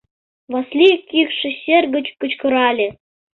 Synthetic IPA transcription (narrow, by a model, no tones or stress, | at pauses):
βɑslʲikʲːikʂɘ̆ɕerɡə̆t͡ɕkɤ̆t͡ɕkɤ̆ɾɑlʲe